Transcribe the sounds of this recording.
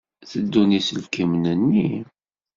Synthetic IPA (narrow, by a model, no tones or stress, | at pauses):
θəd̪ːunisəlkəmnənːi